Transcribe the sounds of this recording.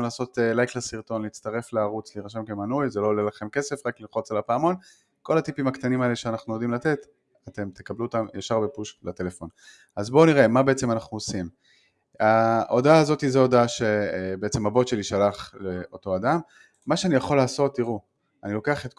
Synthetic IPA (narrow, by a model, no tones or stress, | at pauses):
mlaːso̞t̪elajklesiʁt̪o̞nleit͡st̪aʁe̞fleaʁut͡sliʁaʃ̬emkemanujzelo̞lelaχe̞mke̞se̞fʁakliχo̞t͡salapaːmo̞n | ko̞lat̪ipimakt̪animaeleʃeanaχnujod̪imlat̪et̪ | at̪e̞mt̪e̞kabluot̪amjaʃaʁbepuʃklat̪e̞le̞fo̞n | azbo̞niʁe̞mabe̞et͡semanaχnuosim | aʔo̞daːzo̞t̪izeo̞daʃe̞beet͡se̞mabo̞t̪ʃe̞liʃalaχleo̞to̞adamː | aʃeanijaχo̞laːso̞t̪ːiʁu | anilo̞keaχet̪k